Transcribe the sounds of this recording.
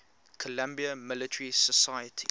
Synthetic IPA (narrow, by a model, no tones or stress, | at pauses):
kʰɔlãmbiəmɪlɪtʰəɹisəsajətʰḭ